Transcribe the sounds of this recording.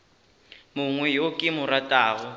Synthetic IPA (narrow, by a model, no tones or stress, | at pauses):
muŋwɛjokʼɪmʊɾatʼaːɣɔ